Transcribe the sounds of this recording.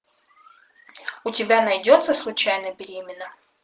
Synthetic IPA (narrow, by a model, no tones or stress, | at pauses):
ʊtʲɪbʲanɐjdʲot̪səslˠʊt͡ɕajnəbʲɪɾʲemʲɪnːə